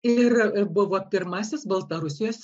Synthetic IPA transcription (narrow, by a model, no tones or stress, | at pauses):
ɪrbʊʋoːpʲɪɾmɑːsʲɪsbɐlˠt̪ɐɾʊsʲɪjoːsʲ